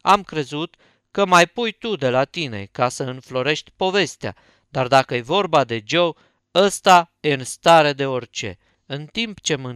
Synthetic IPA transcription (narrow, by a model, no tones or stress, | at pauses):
amkɾe̞zut̪ | kəmajpujt̪ud̪e̞lat̪ine̞̰kasəɨnflo̞ɾe̞ʃt̪ʲpo̞ve̞st̪ea̰ | d̪ard̪akəje̞vo̞rbad̪e̞d͡ʒo̞w | əst̪aje̞ɨnst̪aɾe̞d̪e̞o̞rt͡ʃe̞̰ | ɨnt̪impt͡ʃe̞mɨ